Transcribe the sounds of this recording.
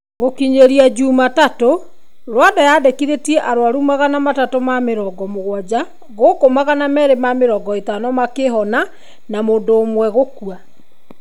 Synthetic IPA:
ɣokiɲeɾiad͡ʑuːmatato | ɾwadajaːdekiɾetiɛʔaɾoaɾumaɣanamatatomameɾɔɡɔmoɣwad͡ʑa | ɣokomaɣanamɛɾemameɾɔɡɔetanɔmakeɦɔna | namoːndoːmwɛɣokua

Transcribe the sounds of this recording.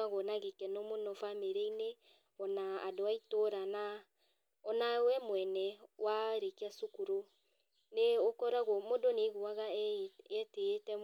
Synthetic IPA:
aɣɔnaɣekɛnɔmonɔfameɾeine | ɔnaa̰doaitoɾana | ɔnawɛmwɛnɛwaɾekiasokuɾo | neokɔɾaɣɔmodoneɣuaɣaɛtetɛ

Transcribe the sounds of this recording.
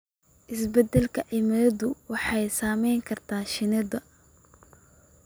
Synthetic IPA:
ʔɪsbɛd̪ɛlkʰɐʕɪmɐɐðʊwɑħɑjsaːmɛjŋkʰɐrt̪ʰaːʃɪnɐðɐ

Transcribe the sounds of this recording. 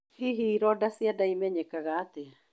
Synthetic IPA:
hiɦiɾɔdasiadaimɛɲɛkaɣaːtea

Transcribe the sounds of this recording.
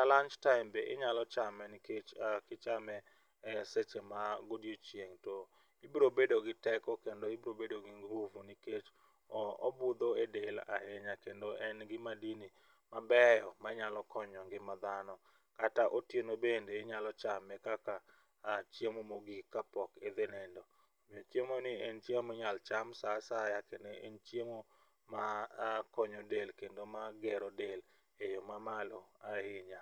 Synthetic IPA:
alaɲt͡ʃtaɪmbeʔɪ̰ɲalɔt͡ʃamɛniket͡ʃkɪt͡ʃamɛ | set͡ʃemaɡodjot͡ʃjeŋtɔ | ibɾobedoɡɪtɛkɔkendoibɾobedoɡɪŋɡuvuniket͡ʃ | ɔɔ̰bʊd̪oedela̰heɲakendoʔɛnɡɪmadini | mabɛjɔmaɲalɔkɔɲɔŋɡɪmad̪anɔ | kataʔotjenobendeːɲalɔt͡ʃamɛkaka | t͡ʃjemomoɡikːapɔked̪enendo | mɪɔt͡ʃjemonɪɛnt͡ʃjemeɲalt͡ʃamsasajakeneʔent͡ʃjemo | makɔɲodelkendomaɡeɾodel | ejomamalɔahɪɲa

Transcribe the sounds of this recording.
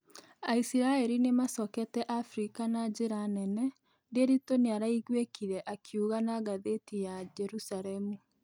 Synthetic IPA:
aisiɾaeɾinemasɔkɛtɛʔafɾikanad͡ʑeɾanɛnɛ | deɾitoneaɾaiɣwekiɾɛʔakʰiuɣanaɣaðetijad͡ʒɛɾusaɾɛmu

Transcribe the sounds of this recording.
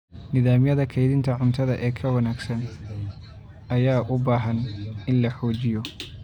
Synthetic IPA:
nɪðaːmjɐðɐkʰɛjðɪnt̪ʰɐʕʊnt̪ʰɐðɐʔɛːkʰɐwɐnaːɡsɐn | ɐjaːʔʊbaːɦɐnɪnlɐħɔːt͡ʃɪjɔ

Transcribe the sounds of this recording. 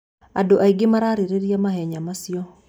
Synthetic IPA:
adoʔaiɡemaɾaɾeɾeɾiamahɛɲamasijɔ

